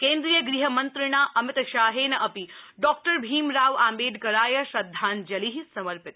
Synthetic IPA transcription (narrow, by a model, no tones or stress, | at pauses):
kẽːnd̪ɾijəɡɾiɦɐmɐnt̪ɾɪɽ̃aːʔɐmɪt̪ʃaːɦeːnɐɐpiɖɔːk̚ʈəɾbʱiːmɾaːʋaːmbeːɖ̪kɐɾaːjɐʃɐd̪ʱːaːnd͡ʒɐliɦisɐmɐɾpɪt̪